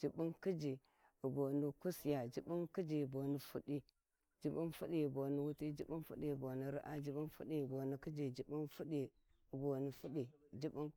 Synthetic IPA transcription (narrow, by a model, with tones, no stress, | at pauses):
d͡ʒi˨bu˦nki˦d͡ʒi˨ | ə˨bo˨nu˦ku˦sja˨d͡ʒi˨ɓu˦nki˦d͡ʒi˨bo˨ni˨fu˦ɗi˦ | d͡ʒi˨bu˦nfṵ˦ɗi˦i˨bo˨nu˦wu˦ti˦d͡ʒi˨bu˦nfṵ˦ɗi˨bo˨ni˨ɾḭ˦ʔa˦d͡ʒi˨ɓu˦nfu˦ɗi˨bo˨ni˨ki˦d͡ʒi˨d͡ʒi˨bu˦nfu˦ɗi˨ | i˨bo˨ni˨fu˦ɗi˨d͡ʒi˦bu˦n